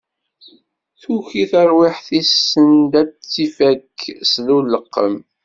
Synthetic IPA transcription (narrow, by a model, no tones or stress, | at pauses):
θuçiθəɾˤwiħθisːənd̪æt͡sːifækːsðulːəqːəm